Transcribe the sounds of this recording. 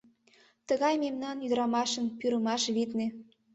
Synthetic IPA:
t̪əɣɑjmemnɑnyd̪əɾɑmɑʃə̆npyɾə̆mɑʃβit̪ne

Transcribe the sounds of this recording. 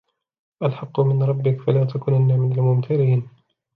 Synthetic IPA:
ʔalħɑqːʊmɪnɾˤɑbːɪkfalaːt̪ʰakʊnʔanːamɪnalmʊmt̪ʰaɾiːn

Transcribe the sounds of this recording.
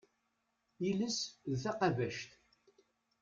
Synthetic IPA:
iləsðθæqɑvæʃt̪

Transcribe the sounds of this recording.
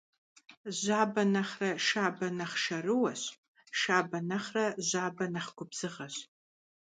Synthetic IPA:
ʑaːbɐnɐχrɐʃaːbɐnɐχʃɐrɨwɐɕ | ʃaːbɐnɐχrɐʑaːbɐnɐχɡʷʊbz̥ɨʁɐɕ

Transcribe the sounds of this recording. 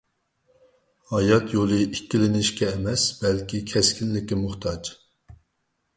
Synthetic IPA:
hɑjɑt̪jolˠɨikʲːilɪnɪʃkʲɛːmɛsb̥ɛlkʲikʲʰɛskʲinlɪkʲɪmuχt̪ʰɑd͡ʒ

